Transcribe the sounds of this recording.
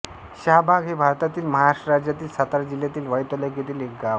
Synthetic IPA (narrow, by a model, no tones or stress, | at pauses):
ɕaɦbʱaɡɦebʱaɾt̪at̪iːlməɦaʂɾad͡ʑjat̪iːlsat̪aɾd͡ʑiljat̪iːlʋajt̪oleket̪iːlek̚ɡa